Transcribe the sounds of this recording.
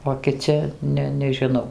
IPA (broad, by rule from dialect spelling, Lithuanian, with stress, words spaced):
oː kʲɪˈt͡sʲɪ ˈnʲɛ nʲɛʒʲɪˈnɐʊ